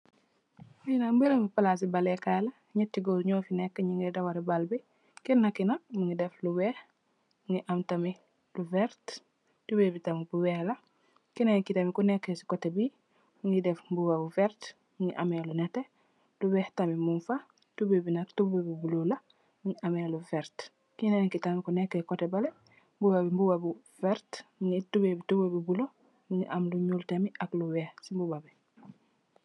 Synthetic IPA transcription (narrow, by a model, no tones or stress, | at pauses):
uinambelɐmbupalas̬ibalekalɐ | ɲɛtːiɡoɲɔːfinɛkːəɲiŋɡedawaɾibalbi | kinːakinamuŋidɛflubɛːh | ŋiʔamtɐmi | luvɛɾt | tubebitamibuwɛhlɐ | kinaɲikitɐmikunekːesi̥kotebi | muŋɡidɛfbuwabuvɛɾt | muɲḭʔa̰melunete | lubeːhtamimunfa | tubebinaktubebibulola | miɲiʔameluveɾt | kinaɲikitamikunekːekotebale | mbubabimbubabu | veɾtmiɲitubebitubebibulo | miɲiʔamluɲultemiʔakluweːhsimbubabi